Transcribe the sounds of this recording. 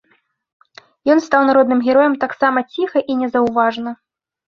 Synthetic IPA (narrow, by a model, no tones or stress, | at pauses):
jɔnst̪awnaɾɔd̪nɨmɣʲɛɾɔjɛmt̪aksamɐt͡sʲixɐʔinʲɛzɐwvaʐnɐ